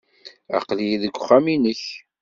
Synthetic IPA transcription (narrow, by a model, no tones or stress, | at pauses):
æ̰qlijðəɡʷːχːæminəç